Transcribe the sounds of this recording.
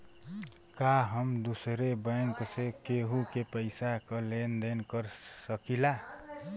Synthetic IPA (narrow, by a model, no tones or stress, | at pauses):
kaɦəmd̪usɾebəŋksekeɦukepəɪsakəlend̪enkəɾsəkila